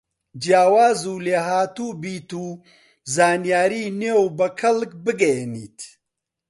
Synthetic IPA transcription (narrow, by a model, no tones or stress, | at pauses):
d͡ʒjaːwaːzuːleːɦaːt̪ubiːt̪uː | zaːnjaːɾiːnewbɐkʰɐlkbɨɡɐjniːt̪